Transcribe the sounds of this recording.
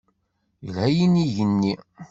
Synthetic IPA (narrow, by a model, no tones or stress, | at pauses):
jəlhæjiniʝənːi